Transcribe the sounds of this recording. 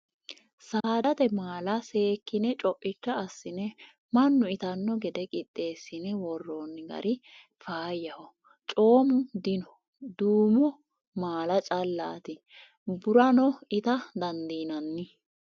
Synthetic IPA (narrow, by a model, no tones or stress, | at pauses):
saːd̪ɐt̪ɛmaːlɐse̞ːkːɪnɛt͡ʃʼɔʔʼːɪt͡ʃːɐːsːɪnɛ | mɐnːʊɪt̪ɐnːɔɡɛd̪ɛkʼɪt̪ʼːe̞ːsːɪnɛwɔrːonːɪɡɐ̰ɾʔɪ | faːjːɐhɔ | t͡ʃʼo̞ːmʊd̪ɪnɔ | d̪uːmɔ | maːlɐt͡ʃʼɐlːa̰ːt̪ɪ | bʊɾɐnɔɪt̪ɐd̪ɐnd̪iːnɐnːɪ